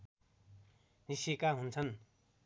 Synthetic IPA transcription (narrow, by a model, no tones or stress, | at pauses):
nisikaɦunt͡sʰʌn